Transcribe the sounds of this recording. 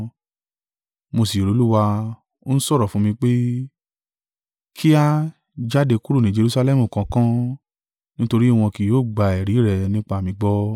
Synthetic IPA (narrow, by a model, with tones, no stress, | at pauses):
mo˧si˨o˨ɾo˨˦lu˦wa˧ | o˦n̩˦sɔ˦ɾɔ˨fũ˦mĩ˧k͡pe˦ | kʰi˦a˦ | d͡ʒa˦de˧ku˦ɾu˦˨nĩ˨˦d͡ʒe˧ɾu˦sa˧lɛ˦˨mũ˨kã˨˧kã˦ | nĩ˦to˧ɾi˦˨w̃ɔ̃˧ki˨joː˨˦˨ɡ͡ba˧˨ɛ˨ɾi˨˦ɾɛ˨nĩ˦k͡pa˧˨mĩ˧ɡ͡bɔ˦